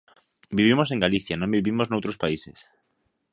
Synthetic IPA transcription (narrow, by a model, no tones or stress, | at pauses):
biβ̞imosẽŋɡaliθjanõmbiβimoznowt̪ɾospaisḛs